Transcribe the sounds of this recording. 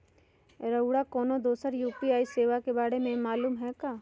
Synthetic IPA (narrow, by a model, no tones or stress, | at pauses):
ɾəʊɽakɔːnod̪oːsəɾjuːpiaːiseːʋakebaːɽemẽmaːluːmɦɛkaː